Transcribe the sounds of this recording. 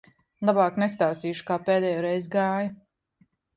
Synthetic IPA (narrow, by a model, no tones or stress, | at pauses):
lˠabaːknɛst̪aːwsiːʃu̥kaːpeːd̪ɛːjoːɾɛjzɡaːju